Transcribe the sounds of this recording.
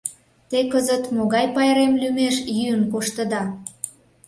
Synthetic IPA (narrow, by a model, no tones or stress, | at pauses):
t̪ekəzət̪moɣɑjpɑjɾemlymeʃjyənkoʃt̪əd̪ɑ